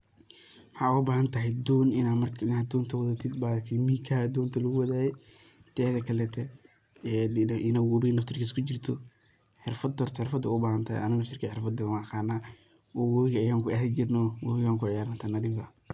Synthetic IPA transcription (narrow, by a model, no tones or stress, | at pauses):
wħɑːʊbaːhɐnt̪ʰɐɦɛjd̪ɔːnɪamrʰɪnaːd̪d̪ɔːnt̪ʰɐwɐðɐt̪ʰɪd̪baːkʰɛmiːkʰad̪ɔːnt̪ʰɐlɐɣʊwɐðaːjɛ | t̪ʰɛːðɐkʰɐlɛːt̪ʰɛ | ɛʔɪnɐwʊβinɐft̪ʰɪrkʰiːskʰʊt͡ʃɪrt̪ʰɔ | ħɛrfɐd̪ɔːrt̪ʰħɪrfɐd̪ɐʊbaːhɐnt̪ʰa̰ʔɐ̰nɐɣɔʃɪrkʰɛħɪɾfɐd̪ɪmɐqɑːnaː | ɔwɔɣɐjaːŋkʰʊɐɦd͡ʒɪɾnɔːwɔwɣaːŋkʰʊʕɪjaːɾnat̪ʰɐnɐdɪbɐ